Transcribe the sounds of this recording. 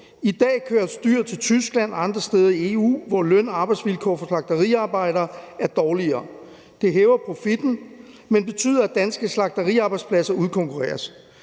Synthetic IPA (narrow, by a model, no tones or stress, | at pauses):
id̥ɛ̰ːkʰøːɐsd̥yɐ̰t͡sʰe̝lt͡sʰysɡ̥læn̰ɑ̈nd̥ʁɐsd̥eːð̞ˠɐie̝ṵːʋɒlœn̰ɑ̈ːb̥ɑ̈ɪd̥sʋilkʰɒ̰ːfɒ̽slɑ̈ɡ̥̚d̥ɐʁḭɑ̈ːb̥ɑ̈ɪ̰ɾ̥ɐːæɐd̥ɒːliɐː | d̥e̝ɦeːʊɐpʰʁo̝fid̥n̩ | menb̥e̝t͡sʰy̰ːðˠɐæd̥ænsɡ̥əslɑ̈ɡ̥̚d̥ɐʁḭɑ̈ːb̥ɑ̈ɪdspʰlæsɐuðˠkʰɔ̽ŋkʰuʁɛ̰ːɐs